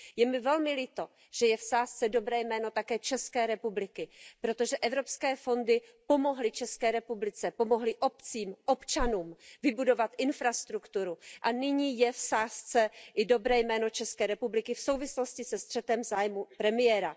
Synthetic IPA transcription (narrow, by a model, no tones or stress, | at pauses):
jɛmɪvɛlmɪlɪt̪o̞ | ʒ̥ɛjɛfsaːst͡sɛdo̞bɾɛːjmɛːno̞t̪akɛːt͡ʃɛskɛːɾɛpublɪkɪpɾo̞t̪o̞ʒɛʔɛvɾo̞pskɛːfo̞ndɪpo̞mo̞ɦlɪt͡ʃɛskɛːɾɛpublɪt͡sɛpo̞mo̞ɦlɪʔo̞pt͡siːmʔo̞pt͡ʃanuːmvɪbudo̞vat̪ʔɪnfɾast̪ɾukt̪uɾuʔanɪɲiːjɛfsaːst͡sɛʔɪdo̞bɾɛːjmɛːno̞t͡ʃɛskɛːɾɛpublɪkɪfso̞wvɪslo̞scɪsɛst̪r̝̥ɛt̪ɛmzaːjmupɾɛmɪjɛɾa